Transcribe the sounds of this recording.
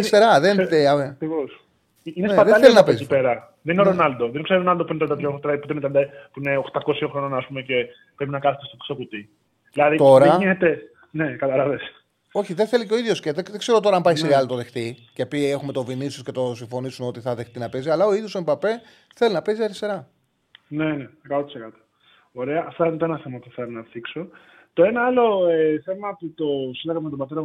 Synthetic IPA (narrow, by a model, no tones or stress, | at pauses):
ɐɾist̪e̞ɾɐðeneɐkɾivos | inenseɐðeɐelinɐpeziipeɾɐ | ðeninoɾonɐld̪oðenkseɾonɐld̪opuinet̪ɾɐnd̪ɐt̪ɾot̪ɾɐput̪einet̪ɾɐd̪ɐpuineoxt̪ɐkosioxɾononɐːspumece | pɾepinɐkɐθet̪est̪oksokut̪i | ðilɐðit̪o̞ɾɐinet̪e | ne̞kɐt̪ɐlɐves | o̞çiðenθe̞liceo̞iðʝo̞sceðeðekse̞ɾo̞t̪o̞ɾɐmpɐjçiseɣɐlot̪oðext̪icepie̞xume̞t̪o̞vinisosce̞t̪o̞siɱfo̞nisuno̞t̪iθɐðe̞xt̪inɐpe̞ziɐlɐo̞iðjo̞sombɐpe | θe̞linɐpeziɐɾist̪e̞ɾɐ | ne̞neekɐt̪ot̪i̥sekɐt̪o̥ | oɾe̞ɐʔft̪oinet̪oenɐθe̞mɐpuθelonɐθikso̞ | t̪o̞e̞nɐɐlo̞eθe̞mɐput̪osilɐɣɐmmet̪obɐt̪e̞ɾɐ